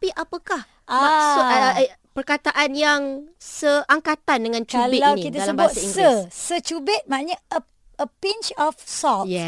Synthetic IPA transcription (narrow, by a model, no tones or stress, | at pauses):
piʔapəkah | amasupərkat̪aʔanjaŋsəʔaŋkat̪andəŋãnt͡ʃuabɪawnikit̪ədalambaɔtsaiŋɡiəsət͡ʃubɪt̪̚mãaʔɲaə | əpint͡ʃɔfsɔjɛ